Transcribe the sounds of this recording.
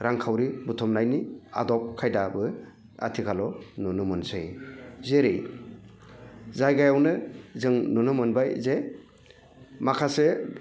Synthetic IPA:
ɾaŋkʰawɾibutʰɔmnajnia̰dɔp̚kʰajdabɯ | a̰tʰikʰalɔnunɯmɯnsɯjzeɾej | zajɡajawnɯzɯŋnɔnɯmɯnbajze | makʰase

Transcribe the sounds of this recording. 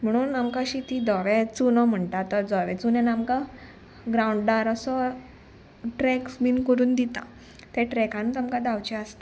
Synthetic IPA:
m̤əɽ̃uːnamkaɕit̪id̪ɔʋet͡sunɔm̤əɳt̪at̪əɾd͡zɔʋɛt͡sunenamka | ɡɾawuɳɖɖaɾəsɔ | ʈɾeksminkəɾuːnd̪it̪a̰ | t̪ɛʈɾɛkãnut̪amkad̪awt͡ɕɛast̪e

